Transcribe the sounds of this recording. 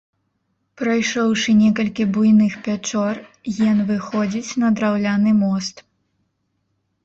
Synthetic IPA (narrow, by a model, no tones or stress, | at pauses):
pɾɐjʂɔwʂɨnʲɛkɐlʲkʲibujnɨxpʲat͡ʂɔr | jɛnvɨxɔd͡zʲit͡sʲnɐd̪ɾawlʲanɨmɔst̪